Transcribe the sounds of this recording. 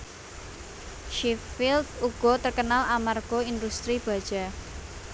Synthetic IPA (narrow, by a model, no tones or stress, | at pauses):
ʃiffɪld̪uɡ̥ɔ̤t̪ərkənalamarɡ̥o̤ind̪ust̪ɾib̥ä̤d̥ʒ̥a̤